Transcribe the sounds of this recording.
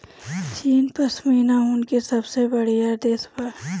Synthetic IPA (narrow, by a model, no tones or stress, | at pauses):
t͡ʃiːnpɐsmiːnaɦʊnkesɐbsebɐɽ̤ijad̪eːswa